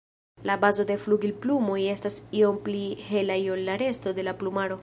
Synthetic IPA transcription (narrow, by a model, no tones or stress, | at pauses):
labazo̞de̞fluɡilplumoje̞stasio̞mplihe̞lajo̞lːaɾe̞sto̞de̞laplumaɾo̞